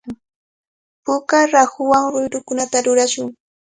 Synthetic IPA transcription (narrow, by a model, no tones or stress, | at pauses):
pʊkaɾahʊwaŋɾʊjɾʊkʊnat̪aɾʊɾaʃʊŋ